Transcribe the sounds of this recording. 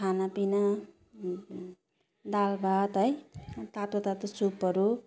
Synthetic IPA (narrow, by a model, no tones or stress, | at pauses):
kʰanapina | d̪albat̪ɦʌjt̪at̪ot̪at̪ʌt͡supːʌɾu